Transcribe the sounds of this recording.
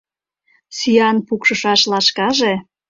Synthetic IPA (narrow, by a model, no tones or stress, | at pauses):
syjɑnpukʃɤ̆ʃɑʃlɑʃkɑʒe